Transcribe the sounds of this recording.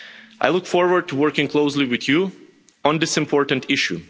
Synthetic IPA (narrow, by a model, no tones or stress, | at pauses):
ʔa̰ɪlˠʊkfɔɹwə˞d̚tʰuwɜɹkɪ̃ŋkʰl̥oʊsliwɨðju | ə̃ndɪsɨ̃mpʰɔɹtn̩tʰɪʃṵ